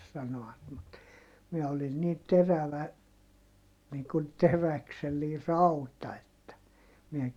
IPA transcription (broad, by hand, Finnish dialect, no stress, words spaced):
sɑnoɑt mut miɛ olin niː teræʋæ niː kun terækselːiː rɑutɑ etːæ miɛ